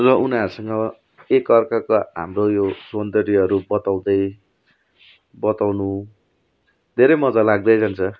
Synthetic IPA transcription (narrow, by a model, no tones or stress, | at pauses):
rʌʔunaɾusʌŋɡʌ | ekʌrkakoɦa̰mrojosʌnd̪ʌɾiʌɾubʌt̪aw̃d̪ʌj | bʌt̪awnu | d̪ʱeɾʌjmʌd͡zalaɡ̚d̪ʌjd͡zant͡sʰʌ